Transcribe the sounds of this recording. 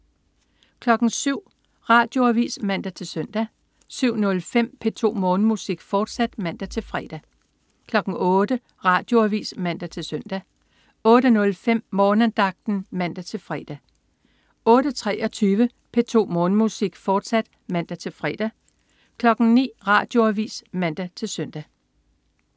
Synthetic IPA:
kʰlɒ̽ɡ̥ŋ̩syʊ̰ | ʁɑ̈ːd̥joæʋḭːsmæn̰d̥æt͡sʰe̝lsœn̰d̥æ | syʊ̰nɔ̽lfem̰pʰe̝t͡sʰo̝̰ːmɔ̽ːnmusiɡ̥fɒːd̥sæd̥mæn̰d̥æt͡sʰe̝lfʁɛːd̥æ | kʰlɒ̽ɡ̥ŋ̩ɔːd̥ə | ʁɑ̈d̥jo̝æʋḭːsmæn̰d̥æt͡sʰe̝lsøn̰d̥æ | ɔ̽ːɾ̥ənɔ̽lfem̰mɒːnənd̥ɑ̈ɡ̥̚d̥n̩mæn̰d̥æt͡sʰe̝lfʁɛ̰d̥æ | ɔ̽ːɾ̥ət͡sʰʁɛːʔɒt͡sʰyːʋə | pʰe̝t͡sʰo̝̰ːmɔ̽ːnmusiɡ̥fɒːd̥sæd̥ | mæn̰d̥æt͡sʰe̝lfʁɛ̰d̥æ | kʰlɒ̽ɡ̥ŋ̩nḭːʁɑ̈ːd̥jo̝æʋḭːsmæn̰d̥æt͡sʰe̝lsœn̰d̥æ

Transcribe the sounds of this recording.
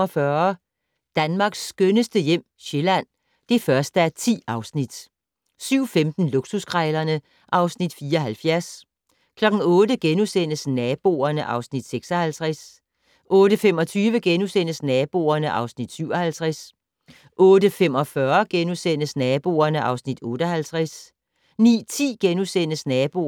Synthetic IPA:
ɒfɶɐ | d̥ænmɑ̈ɡ̥sːɡ̥ønəsd̥əjem̰ɕe̝læn̰ | d̥e̝fɶɐsd̥əæɐt͡sʰḭːɑ̈ʊsnid̥ | syʊ̰femd̥n̩luɡ̥suskʰʁaɪlɐnə | ʔɑ̈ʊsnid̥fiːɐɦælfjæɐs | kʰlɒ̽ɡ̥n̩ɔ̽ːd̥əɡ̥enusen̰əsnɛːb̥o̝̰ɐnəʔɑ̈ʊsnid̥seɡ̥sɒhælt͡sʰʁas | ʔɔ̽ːd̥əfem̰ɒ̽t͡sʰyːʋəɡ̥enusen̰əsnɛːb̥o̝̰ɐnəʔɑ̈ʊsnid̥syʊ̰ɒhælt͡sʰʁas | ʔɔ̽ːdəfem̰ɒ̽fɶɐɡ̥enusen̰əsnɛːb̥o̝̰ːɐnəʔɑ̈ʊsnid̥ɔ̽ːɾ̥ɐhælt͡sʰʁaɛs | nḭːt͡sʰḭːɡ̥enusen̰əsnɛːb̥o̝

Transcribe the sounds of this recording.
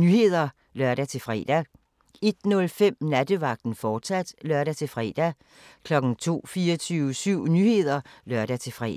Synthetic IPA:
nyhe̝ð̞̰ˠɐ | lɶɐ̰ɾæt͡sʰe̝lfʁɛ̰d̥æ | e̝d̥nɔ̽lfem̰næd̥əʋɑ̈ɡ̥̚d̥n̩fɒ̥ːsæd̥lɶɐɾæt͡sʰe̝fʁɛ̰d̥æ | kʰlɒ̽ɡ̥n̩t͡sʰo̝̰ːfiːɐt͡sʰyːʊəsyʊ̰nyhe̝ðˠɐlɶɐɾ̥æt͡sʰe̝fʁɛ̰

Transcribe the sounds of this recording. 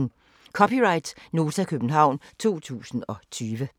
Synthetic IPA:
n | kʰɒ̽pʰiʁɑ̈ɪd̥no̝ːt͡sʰækʰøb̥n̩ɦɑ̈ʊ̰nt͡sʰo̝̰ːt͡sʰṵːsn̩ɒ̽t͡sʰyːʋə

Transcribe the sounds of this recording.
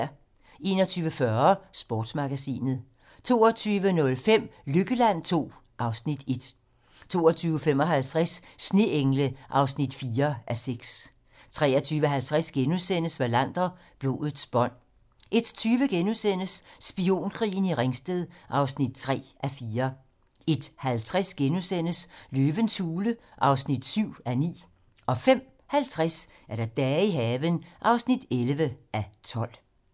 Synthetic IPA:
ʔe̝̰ːnɒt͡sʰyːʋəfɶɐsb̥ɔ̰ːd̥smɑ̈ɡ̥æsḭːnð̩ˠ | t͡sʰo̝̰ːɒt͡sʰyːʋənɔ̽lfem̰løɡ̥əlæn̰t͡sʰo̝̰ː | ʔɑ̈ʊsnid̥e̝d̥ | t͡sʰo̝̰ːɒt͡sʰyːʊfem̰ɒ̽ɦælt͡sʰʁasːne̝ʔeŋləʔɑ̈ʊsnid̥fiːɐʔæseɡ̥s | t͡sʰʁɛ̰ːɐt͡sʰyːʋəɦælt͡sʰʁɛsɡ̥enusen̰əsʋælæn̰d̥ɐ | b̥lo̝̰ːðð̩ˠsb̥ɒ̽n̰ | ʔe̝d̥t͡sʰyːʋəɡ̥enusen̰əsːb̥io̝̰ːnkʰʁḭːn̩iʁeŋsd̥eðˠʔɑ̈ʊsnid̥̚t͡sʰʁɛ̰ːʔæfiːɐ | e̝d̥hælt͡sʰʁasɡ̥enusen̰əsløːʋənsuːləʔɑ̈ʊsnid̥syʊ̰ænḭː | ɒ̽fem̰ | hælt͡sʰʁasæɐɾ̥ɑd̥ɛːiɦɛːʋənʔɑ̈ʊsnid̥elʋəʔæt͡sʰɒ̽l̰

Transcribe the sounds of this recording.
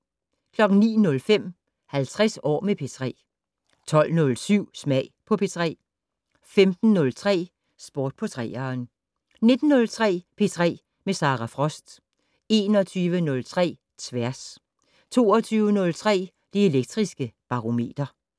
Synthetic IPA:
kʰlɒ̽ɡ̥n̩nḭːnɔ̽lfem̰ | hælt͡sʰʁɛsɒ̰ːmepʰe̝t͡sʰʁɛ̰ː | t͡sʰɒ̽l̰nɔ̽lsyʊ̰smɛɪpʰɒ̽pʰe̝t͡sʰʁɛ̰ː | femd̥n̩ːɔ̽lt͡sʰʁɛ̰ː | sb̥o̝ːd̥̚pʰɒ̽t͡sʰʁɛ̰ːɐːn | ne̝d̥n̩ːɔ̽lt͡sʰʁɛ̰ːpʰe̝t͡sʰʁɛ̰ː | mesɑ̈ʁɑfʁɒ̽sd̥ | e̝nɒt͡sʰyːʋənɔ̽lt͡sʰʁɛ̰ː | t͡sʰʋæɐs | t͡sʰo̝̰ːɒt͡sʰyːʊənɔ̽lt͡sʰʁɛ̰ː | d̥ie̝leɡ̥̚d̥ʁisɡ̥əb̥ɑ̈ʁo̝me̝̰ːd̥ɐ

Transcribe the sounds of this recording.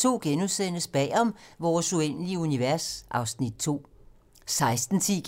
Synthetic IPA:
t͡sʰo̝̰ːɡ̥enusen̰əsb̥ɛ̰ːɒ̽mʋɒːsuen̰əliəuniʋæɐsʔɑ̈ʊsnid̥̚t͡sʰo̝̰ː | sɑ̈ɪsd̥n̩t͡sʰi̥

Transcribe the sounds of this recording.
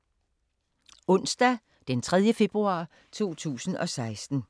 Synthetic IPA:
ɔ̽n̰sd̥æ | d̥ent͡sʰʁɛð̞ˠjəfe̝b̥ʁuɑ̰̈ː | t͡sʰo̝̰ːt͡sʰṵːsn̩ɒ̽sɑ̈ɪsd̥n̩

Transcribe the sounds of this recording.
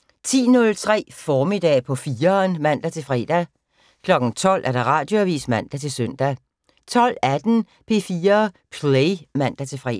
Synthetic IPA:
t͡sʰḭːnɔ̽lt͡sʰʁɛ̰ːfɒːme̝d̥ɛ̰ːpʰɒ̽fiːɐnmæn̰d̥æt͡sʰe̝fʁɛ̰ːd̥æ | kʰlɒ̽ɡ̥n̩t͡sʰɒ̽l̰ʔæɐɾ̥ɑ̈ʁɑ̈ːd̥jo̝æʋḭːsmæn̰d̥æt͡sʰe̝lsœn̰d̥æ | t͡sʰɒ̽l̰æd̥n̩ | pʰe̝ːfiːɐpʰlemæn̰d̥æt͡sʰe̝fʁɛ̰

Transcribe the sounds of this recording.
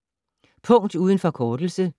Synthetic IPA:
pʰɔ̽ŋ̰d̥uːð̞ˠənfɒ̽kʰɒːd̥l̩sə

